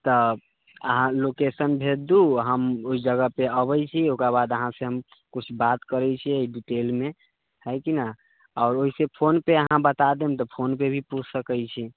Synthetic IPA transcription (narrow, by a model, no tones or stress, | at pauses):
t̪ə | ə̰ɦãlokesənbʱed̪uɦəmoid͡ʒəɡəpeəβəjt͡ʃʰiokɾaβad̪əɦãseɦəm | kut͡ʃʰbat̪kəɾɛt͡ʃʰieiɖiʈelme | həjkina | ɔːɾoɦisepʰonpeəɦãbət̪ad̪emt̪ɔpʰonpebʱiput͡ʃʰsəkəjt͡ʃʰi